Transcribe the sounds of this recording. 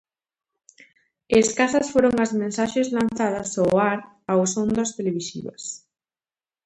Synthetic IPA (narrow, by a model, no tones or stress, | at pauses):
eskasɐsfoɾoŋazmẽnsaʃezlanθaðɐsaaɾ | awsond̪ast̪eleβisḭβɐ̰s